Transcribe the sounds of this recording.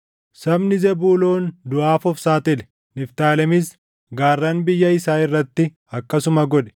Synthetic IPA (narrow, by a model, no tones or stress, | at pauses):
sɐbnɪzɛbuːlo̞ːnd̪ʊʔaːfɔfsaːt̪ɪlɛ̥ | nɪft̪aːlɛmɪs | ɡaːrːɐnbɪjːɐɪsaːɪrːɐt̪ːɪ | ɐkːɐsʊmɐɡɔᶑɛ̥